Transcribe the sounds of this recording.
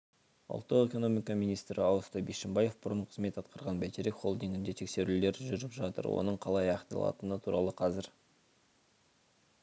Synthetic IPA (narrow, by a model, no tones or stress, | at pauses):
ʊ̰lˠt̪ːəʁe̞ko̞no̞mijkɑmijnijst̪ɾɪɑwˠst̪ɑjbeʃɪmbɑje̞fbʊɾəɴqʰəzme̞t̪ɑt̪qɑɾʁɑnbæt̪eɾekχo̞̰lˠd̪iŋɡʲɪnd̪e̞t̪ʰe̞kse̞ɾɪld̪e̞ɾʒʏɾɪpʒɑt̪ə̰ɾwo̰nəɴqʰɑlˠɑjɑqt̪ɑ̰lˠɑ̰t̪ənət̪ʰuɾɑlˠəqʰɑzɪɾ